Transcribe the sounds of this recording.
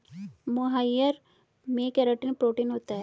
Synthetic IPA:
mʊɦajəɾ | mẽːkɛɾəʈinpɾoːʈiːnɦoːt̪aɦɛ

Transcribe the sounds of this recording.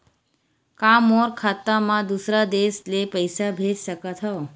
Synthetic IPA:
kamɔɾkʰat̪ːamãd̪usɾad̪eslepəjsabʱeʈsəkət̪ʰɦɔ

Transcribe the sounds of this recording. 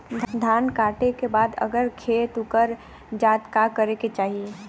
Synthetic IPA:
d̪ʱd̪ʱaːnkaːʈekebaːd̪ə̰ɡəɾkʰeːt̪ʊkəɾ | d͡ʒaːt̪kakəɾeket͡ʃaːɦie

